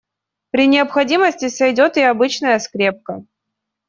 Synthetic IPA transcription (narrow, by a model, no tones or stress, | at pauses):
pɾʲɪnʲɪəpxɐdʲiməsʲtʲɪsʲɐjdʲot̪ɪɐbɨt͡ɕnəjəskɾʲep̚kə